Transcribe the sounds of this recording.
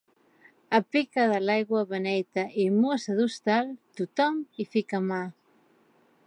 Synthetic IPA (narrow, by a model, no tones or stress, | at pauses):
ɐpikɐðalajɣwɐβenejt̪ɐʔimosaðust̪alt̪ut̪ɔmifikama